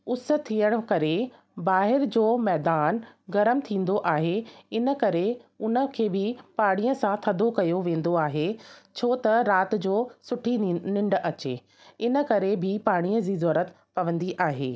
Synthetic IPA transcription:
ʊsə̆t̪ʰːijəɽ̃ʊ̆kɐɾe | baːɦɪɾd͡ʑoːmɛːd̪aːnɡɐɾəmt̪ʰĩːn̆d̪oʔaːɦeɪnə̆kɐɾeʊnə̆kʰeːbɪpaːɽ̃iːəsãt̪ʰɐd̪ʱokɐjoʋẽːn̆d̪oaːɦet͡ɕʰoːt̪ɐɾaːt̪ɪ̆d͡ʑoːsʊʈʰinɪ̃ɳɖɐt͡ɕḛː | ɪnə̆kɐɾebʱɪpaːɽ̃iːəzizɔːɾət̪ | pɐʋə̃nd̪iʔaːɦḛː

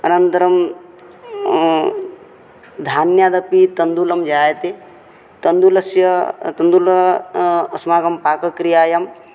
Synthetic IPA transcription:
ɐnɐnt̪ɐɾɐm | d̪ʱaːnjaːd̪ɐpit̪ɐnd̪ulɐmd͡ʒaːjɐt̪e | t̪ɐnd̪ulɐsjɐt̪ɐnd̪ulɐ | ɐsmaːɡɐmpaːkɐkɾijaːjɐm

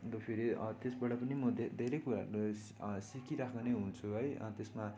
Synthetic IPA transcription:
t̪opʰiɾiʌt̪esbʌɽʌpʌnimʌd̪ʱd̪ʱeɾejkuɾa̰ | sikiɾakʰaneɦunt͡sʰuɦʌjt̪esma

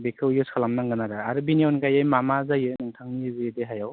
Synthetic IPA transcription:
bekʰɯwjɯskʰalamnaŋɡɯnaɾɯaɾɯbiniɔnkajajmamazajɯnɯŋtʰaŋniɯzajɯdeɦajaw

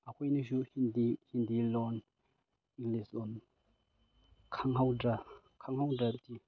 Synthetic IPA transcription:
ʔakʰɔjniʃ̬uhind̪ihind̪ilɔn | iŋlisɔn | kʰaŋɦawda | kʰaŋhawdap̚ti

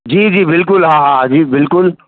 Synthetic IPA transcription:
d͡ʒiːd͡ʒiːbɪlkʊlɦãɦãd͡ʒiːbɪlkʊl

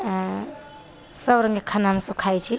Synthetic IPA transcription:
səbɾəŋɡekʰanaɦmsəkʰajt͡ʃʰi

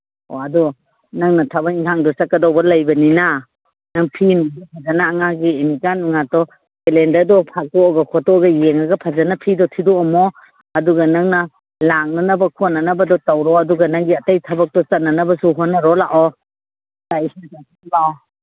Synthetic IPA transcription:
ɔ̰adɔ | naŋnɐtʰɐbɐkiŋkʰaŋdɔsat̚kɐdɔwbɐlɐjbɐnina | naŋpʰinɡapʰazanaːŋaɡiːmikanuŋatɔ | elendadɔpʰak̚tɔːɡɐkʰɔtɔɡɐjeŋaɡɐpʰazanapʰidɔtʰidɔɔmɔ | ɐduɡɐnɐŋnɐ | lak̚nɐnɐbɐkʰɔt̚nanɐbɐdɔtawɾɔɐduɡɐnaŋɡiɐtajtʰɐbɐk̚tɔsɐt̚nɐnɐbɐsuɦɔnːɐɾɔlaʔɔ | saisnisaŋsinbaɔ

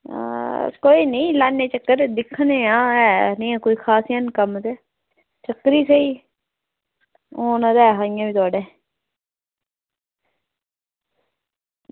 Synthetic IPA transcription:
koːiːnẽːlaːneːt͡ʃəkːəɾd̪ɪkʰneːãːɛːnĩːɛ̃ːkoːiːkʰaːsjənkəmt̪eː | t͡ʃəkɾiːseiː | oːnãːd̪ɛːɦãːɪ̃jãːbiːt̪ʊaːɖeː

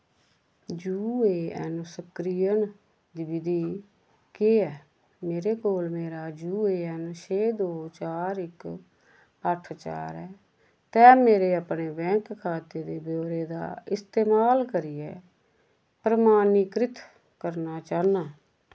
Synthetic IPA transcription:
d͡ʒuːeːɛ̰nsəkɾijən | d̪iːbɪd̪iː | keɛː | meːɾeːkoːlmeːɾaːd͡ʒuːeːɛnt͡ʃʰeːd̪oːt͡ʃaːɾɪk | əʈʰt͡ʃa̰ːɾɛː | t̪ɛ̃ːmeːɾeːəpneːbɛ̃ːkkʰːaːt̪eːd̪eːbjoːɾeːd̪a̰ːɪst̪eːmaːlkəɾiːɛː | pɾəmaːnikɾɪt̪ | kəɾnaːt͡ʃaːnaː

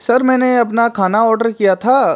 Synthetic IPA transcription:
sɐɾmɛ̃ːneɐpnakʰaːnaɔːɾɖəɾkijat̪ʰaː

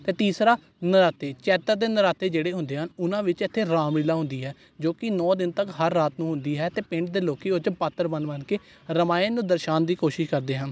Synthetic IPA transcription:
t̪eːt̪iːsɾaː | nəɾaːt̪eːt͡ʃɛːt̪əɾd̪eːnəɾaːt̪eːd͡ʒeːɽeːɦʊ̃nd̪eːɦənʊnãːʋɪt͡ʃɪt̪ʰːeːɾaːmɾɪlaːɦʊ̃nd̪iːɦɛː | d͡ʒoːkɪnɔːd̪ɪnt̪əkɦəɾːaːt̪nũːɦʊ̃nd̪iːɦɛːt̪eːpɪ̃ɳʈd̪eːloːkiːʊt͡ʃpat̪ːəɾbənbənkeː | ɾəmaːẽnũːd̪əɾʃaːnd̪iːkoːʃɪʃkəɾd̪eːɦən

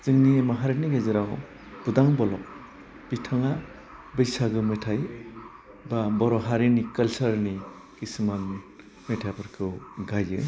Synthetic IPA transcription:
zɯŋniemaɦaɾeniɡezɯɾaw | b̥udaŋbɔlɔk̚ | b̥itʰaŋa | bɯjsaɡɯmetʰaj | babɔɾɔɦaɾinikalsaɾni | kisman | metʰabɯɾkʰɯwɡajɯ

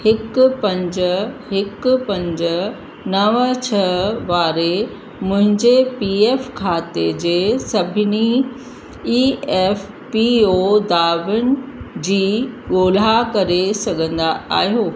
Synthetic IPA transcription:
hɪkpɐ̃ɲd͡ʑəɦɪkʊpɐ̃ɲd͡ʑə | nɐʋət͡ɕʰɐʋaːɾe | mʊ̃ɦɪ̃ɲd͡ʑepiːeːfkʰaːt̪ed͡ʑeːsɐbʱɪni | iːɛːf | piod̪aːʋɪnɪ̆d͡ʑiːɠoːl̤akɐɾesɐɡʱə̃nd̪aa̰ːɦijoː

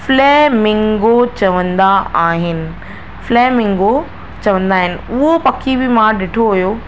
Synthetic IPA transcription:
flɛːmɪ̃ŋɡot͡ɕɐʋə̃nd̪aaːɦɪnɪ̆ | flɛːmɪ̃ŋɡo | t͡ɕɐʋə̃nd̪aːɦɪnɪ̆ʊɦopɐkʰibɪmãɗɪʈʰoɦʊjo

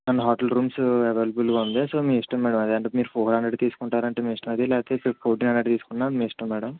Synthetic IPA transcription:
nɐnɐɦaːʈɐlɾuːmseʋeːlɐbulɡaːund̪esoːmiːiʂʈɐmːɛːɽɐmɐd̪iɐɳʈomiːɾupʰoːɦɾɐɳɖɾɐɖt̪iːsu̥kuɳʈaːɾɐɳʈeːmiːiʂʈɐmɐd̪ilɛːpt̪eːppʰoːɾʈ̬iːnɐɳɖɐɖt̪iːsu̥kunːaːmmiːiʂʈɐmːɛːɽɐm

